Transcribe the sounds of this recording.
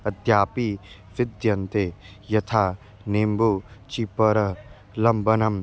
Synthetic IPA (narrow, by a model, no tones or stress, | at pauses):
ɐd̪jaːpi | ʋɪd̪jɐnt̪e | jɐt̪ʰaː | nembut͡ʃipɐɾɐ | lɐmbɐnɐm